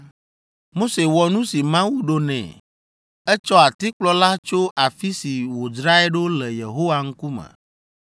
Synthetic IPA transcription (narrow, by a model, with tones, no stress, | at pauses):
mo˦se˨wɔ˨nũ˦si˨mã˦wu˦ɖo˦nɛ̰̃˨ | ɛ˦t͡ʃɔ˦a˨t̪i˦k͡plɔ˦la˦t͡ʃo˦ʔa˨fi˦si˨wo˨d͡ʒɾa˦ɛ˦ɖo˦lɛ˨jḛ˨ɦo˦wa˨ŋ̩˦ku˦mɛ̰̃˨